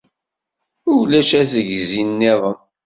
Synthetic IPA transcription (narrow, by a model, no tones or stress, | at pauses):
ʊlæʃæzəʝzinːɪðˤəm